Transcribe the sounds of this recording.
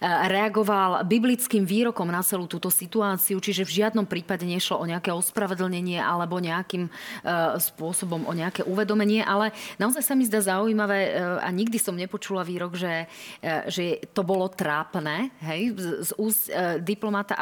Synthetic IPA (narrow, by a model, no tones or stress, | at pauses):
ɾɛaɡɔʋalbiblit͡skiːmʋiːɾɔkɔmnat͡sɛlut̪uːt̪ɔsit̪uaːt͡siut͡ʃiʒɛvʒɪad̪nɔmpɾiːpaɟɛɲɛʃlɔʔɔɲɛakɛːɔspɾaʋɛd̪l̩ɲɛɲɪɛʔalɛbɔɲɛakim | spʊɔsɔbɔmʔɔɲɛakɛʔuʋɛd̪ɔmɛɲɪɛʔalɛnaɔzajsamizd̪azauimaʋɛːa̰ɲiɡ̚d̪isɔmɲɛpɔt͡ʃulaʋiːɾɔɡʒɛ | ʒɛt̪ɔbɔlɔt̪ɾaːpnɛːɦɛjzuːscd̪iplɔmat̪a̰ʔ